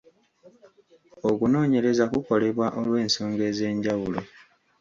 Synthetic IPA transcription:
okuno̞ːɲe̞ɾe̞zakuko̞le̞βwaʔolwe̞ːnso̞ːŋɡe̞ze̞ːɲɟawulo

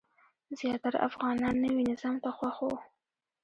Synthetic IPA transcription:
z̥jɑt̪aɾa̰ʔa̰fɣɑnɑnːəwinɪz̥ɑmt̪axwaxo

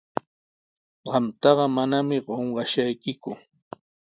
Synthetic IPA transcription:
ɢɑmt̪ɑɢɑmanamɪɢoɴɢɑʃajkɪkʊ

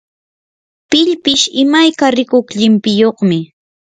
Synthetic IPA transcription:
pɪʎpɪʃɪmajkaɾɪkokʎɪmpɪjoχmɪ

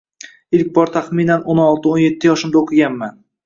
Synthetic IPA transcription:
ɪlkʲbɒɾt̪ʰaχminanonɒlˠt̪ʰɪonje̞t̪ʰːɪjɒʃɪmd̪aoqʰɪɡʲanman

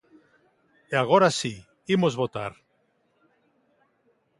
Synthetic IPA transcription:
eaɣ̞oɾasi | imozβot̪aɾ

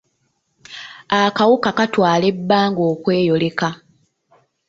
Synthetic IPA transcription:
akawukakatwaːle̞bːaːŋɡoːkwe̞ːjo̞le̞ka

